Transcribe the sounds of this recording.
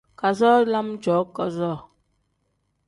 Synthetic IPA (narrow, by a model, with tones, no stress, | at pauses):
ka˨zɔ˦la˦md͡ʒɔ˨˦kɔ˦zɔ˦˨